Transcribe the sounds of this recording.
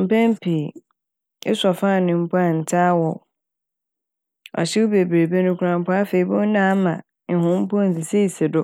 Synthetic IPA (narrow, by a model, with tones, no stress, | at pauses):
m̩˨pɛ̃˦m˦pʰi˨ | ɛ˦sa˨fãː˦˨nʊ̃˨m̩˦pʰɔ˦a˨n̩˨tʰaː˦wɔ˨ | ɔ̰˨ɕɪ˦wʊ˦be˨bɾe˨be˦nʊ̃˦kʰu˦ã˦m˦pʰʊ˦a˦fe˨i˨bʊ̃˦n˦nã˦mã̰˨ | ɦʊ̃˦m̩˦pɔ˦n̩˨sɪ˨se˦˨sɪ˨dʊ˦